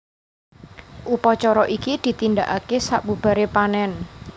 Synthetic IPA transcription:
ʔupɔt͡ʃɔɾɔʔikid̪̥i̤t̪ind̪aʔakesaʔbṳb̥a̤ɾepanɛn

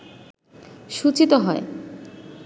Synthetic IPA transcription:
ʃut͡ɕit̪oɦɔe

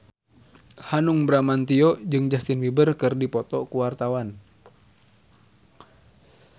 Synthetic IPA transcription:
hanuŋbɾamant̪iɔd͡ʒɨŋd͡ʒast̪inwibərkɨrdipɔt̪ɔkuwart̪awan

